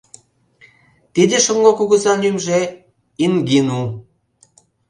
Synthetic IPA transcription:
t̪id̪ʲeʃoŋɡokuɣə̆zɑnymʒĕ | iŋɡinu

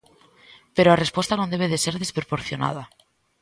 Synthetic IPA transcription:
peɾoare̞spwet̪anond̪eβeð̞e̞se̞ɾðe̞spɾopoɾθjo̞na̰ð̞a

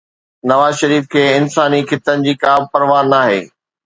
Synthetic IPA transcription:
nɐʋaːzʃɐɾiːfkʰeːɪnsaːnikʰɪt̪ənɪ̆d͡ʑiːkaːb̚pɐɾʋaːnːaːɦḛː

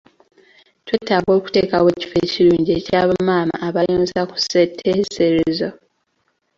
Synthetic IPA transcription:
twetːaβo̞ːku̥te̞ːkaweci̥feciɾuːɲɟiecaːβamaːma̰ʔːβajoːnzaku̥setʰːeːseɾezo

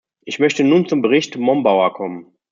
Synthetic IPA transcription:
ʔɪçmœçtənuːnt͡sʊmbəʁɪçtmɔmbaʊɐkʰɔmən

